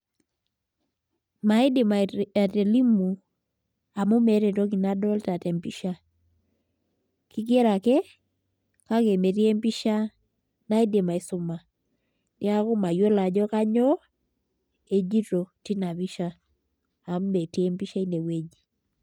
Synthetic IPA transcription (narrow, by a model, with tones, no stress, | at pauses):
ma˨ɪ˦de˨ma˨a˨te˨li˦mu˨ | a˨mu˦me˨˦ɾe˨tɔ˦ki˨na˦dɔ˦lta˨tɛ˨mpi˦ʃa˦ | ki˦kje˦ɾa˨kɛ˦ | ka˦ke˨me˨ɾi˦e˦mpi˦ʃa˦ | na˦i˦de˨ma˨e˨sʊ˦ma˨ | nɪ˦a˦ko˦ma˨jo˦la˨d͡ʒɔ˦ka˦ɲɔ˦ | e˨d͡ʒi˦ɾo˨ti˦na˨βi˦ʃa˦ | a˨m˦me˨te˦mpi˦ʃa˦i˦ne˨we˦d͡ʒi˨